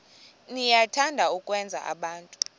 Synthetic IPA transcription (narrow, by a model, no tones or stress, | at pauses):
nijatʰandʱaukʼwɛnd͡zʱa̰ʔa̰ɓaːntʼu̥